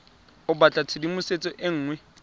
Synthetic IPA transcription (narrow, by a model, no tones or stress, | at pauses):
ʊbat͡ɬʼat͡sʰɪdimʊset͡sʼɔʔeŋ̩ːŋwɛ